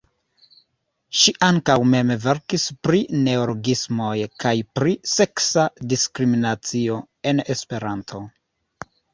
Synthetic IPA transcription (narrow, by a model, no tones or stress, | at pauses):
ʃiʔaŋkawme̞mve̞ɾkispɾine̞oloɡismo̞jkajpɾise̞ksadiskɾiminat͡sio̞ | e̞ne̞spe̞ɾantʰo̞